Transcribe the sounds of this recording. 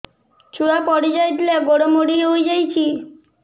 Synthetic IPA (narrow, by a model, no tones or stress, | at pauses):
t͡ɕuɽapɔɽid͡ʑajd̪ilaɡoɽomoɽieojd͡ʑajt͡ɕʰi